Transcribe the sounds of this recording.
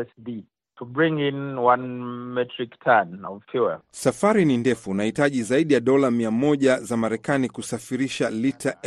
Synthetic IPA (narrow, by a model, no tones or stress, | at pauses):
ɛsdi | tʰubɹĩŋĩnwãnmɛtʰɹiktʰanɔvfʰjuə̰safaɾinindɛfunahitaʄizaiɗijaɗɔlamiamɔʄazamaɾɛkanikusafiɾiʃalitʰaʔ